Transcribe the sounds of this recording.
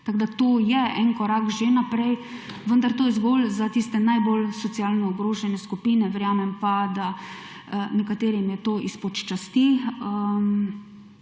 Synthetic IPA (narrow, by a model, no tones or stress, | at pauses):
t̪aɡd̪at̪oːjɛɛnkɔɾakʒenapɾɛj | ʋənd̪aɾt̪oːjɛzɡoːlzat̪iːst̪ɛnajbolsɔt̪sijaːlnɔːɡɾoːʒɛnɛskupiːnɛʋɛɾjaːmɛmpad̪a | nɛkat̪eːɾimjɛt̪oːʔispɔt͡ʃt͡ʃast̪iəm